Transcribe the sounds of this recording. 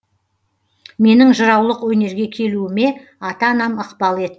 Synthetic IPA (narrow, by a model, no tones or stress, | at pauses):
me̞nɪŋʒəɾɑwlˠəqwɵne̞ɾɡʲe̞kʲʰe̞luɪme̞ | ɑt̪ɑːnɑməqbɑlˠe̞t̪ɪ